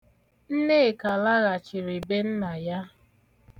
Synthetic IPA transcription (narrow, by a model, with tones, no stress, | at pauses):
n̩˦ne˦˨ka˨la˦ɣa˨t͡ʃɪ˨ɾi˨be˦n̩˦na˨ja˦